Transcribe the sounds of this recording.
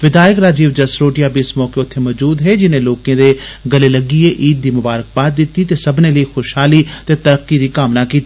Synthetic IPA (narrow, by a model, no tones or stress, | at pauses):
ʋɪd̪aːjəkɾaːd͡ʒiːʋd͡ʒəsɾoːʈɪjaːbiɪsmɔːkeːʊt̪ʰːeːmɔːd͡ʒuːd̪ɦeːd͡ʒɪnẽːloːkẽːd̪eːɡəleːləɡiːeːʔiːd̪̚d̪iːmʊbaːɾək̚baːd̪̚d̪ɪt̪ːiːt̪eːsəbnẽːləiːxʰoːʃɦaːliːt̪eːt̪əɾəkːiːd̪iːkaːmnaːkiːt̪iː